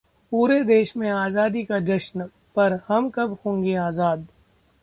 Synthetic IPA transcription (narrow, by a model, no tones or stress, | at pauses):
puːɾed̪eːʃmẽaːzaːd̪ikad͡ʒɐʃn | pɐɾhɐmkɐbhõːŋɡeaːzaːd̪